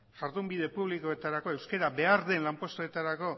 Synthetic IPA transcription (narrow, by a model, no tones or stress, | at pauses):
ʝaɾðumbiðe̞puβliko̞e̞t̪aɾako̞e̞wske̞ɾabe̞aɾðe̞nlampo̞st̪oet̪aɾako̞